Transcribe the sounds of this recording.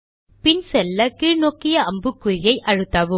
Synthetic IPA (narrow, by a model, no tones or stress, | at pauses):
pɪnsɛlːɐkiːɻnoːkːɪjɐɐmbɯkːʊɾɪjɐɪʔɐɻɯt̪ːaːʋɯ